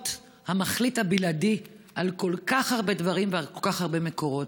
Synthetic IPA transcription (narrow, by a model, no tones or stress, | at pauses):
t | hamaχlithabiladi | ʔalko̞lkaχaʁbe̞dvaʁimvealkolkaχaʁbe̞me̞ko̞ʁo̞t